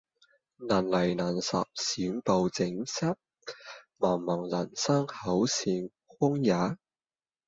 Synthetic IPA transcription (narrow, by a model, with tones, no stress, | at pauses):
naː˨˩nlɐ˨˩jnaː˨˩nsɐ̰˨p̚siː˨˥npo˨˧wt͡sɪ˨˥ŋsɐ˥t̚ | mɐː˨˩ŋmɐ˨˩ŋlɐ˨˩nsɐ˥ŋhɐ˨˥wsiː˧n | hʊ˥ŋjaː˨˥